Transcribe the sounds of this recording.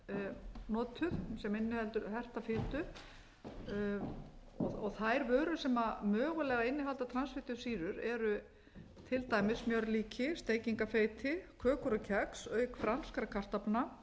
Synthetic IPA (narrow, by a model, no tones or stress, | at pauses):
nɔːt̪ʰʏðsɛmɪnːɪhɛlt̪ʏɾhɛr̥t̪afɪːt̪ʏ | ɔɔɣθajɾvœːɾʏsɛmamœːɣʏlɛɣaɪnːɪɦalt̪at̪ʰɾansvɪt̪ʏsiːɾʏɾɛɾʏ | t̪ʰɪlt̪aːjmɪsmjœɾliːcʰɪst̪eːjciŋkafeːjt̪ʰɪkʰœːkɔɾʏcʰɛksœːɥkfɾanskaɾkʰar̥t̪apna